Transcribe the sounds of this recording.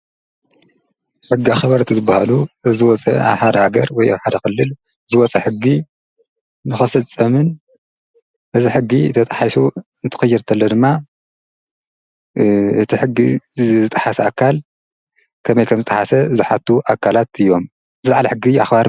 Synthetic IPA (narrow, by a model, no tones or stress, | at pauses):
ħɨɡːiaxɐβɐɾɨt̪ʰizɨbahaluzɨwɔt͡sʼɐ̰a̰βħaɾɐhaɡɐɾwɔja̰βħad̪ɐxɨlːɨl | zɨwɔt͡sʼɐħɨɡːi | nɨxɨfɨt͡sʼːɐmɨn | ʔɨziħɨɡːit̪ʰɐt̪ʼaħasuɨnt̪ʰɨ̥xɨjːɪɾt̪ʰɐlːɐd̪ɨmːa | ʔɨt̪ʰiħɨɡːiɨt̪ʼaħasɐakʰːal | kʰɐmɐjkʰɐmzɨt̪ʼaħasɐzɨħat̪ːuʔakʰalat̪ɨjːo̞m | zɨlaʕlɐħɨɡiaxbaɾ